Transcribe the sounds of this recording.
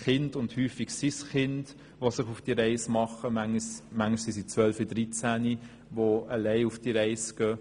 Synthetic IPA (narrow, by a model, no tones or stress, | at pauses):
χɪndʊndhyːfiɡsisχɪnd | ʋosɪχufd̥iɾɛɪsmɑχəmæŋsmæŋʃsisit͡sʋœlfid̥̪ɾit͡sæni | ʋoəlɛɪufd̥iɾɛɪsɡ̥œ